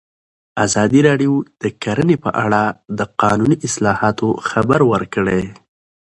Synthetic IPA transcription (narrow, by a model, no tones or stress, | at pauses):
azɑd̪iɾɑɖijod̪̥əkaɾənepəʔaɽad̪əqɑnuniʔɪslɑhɑt̪oxabaɾwəɾkəɽe